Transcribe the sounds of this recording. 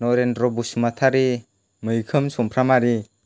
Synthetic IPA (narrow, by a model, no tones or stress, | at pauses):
nɔɾendɾɔbusmat̪ʰaɾi | mɯjkʰɯmsɔmpʰɾamaɾi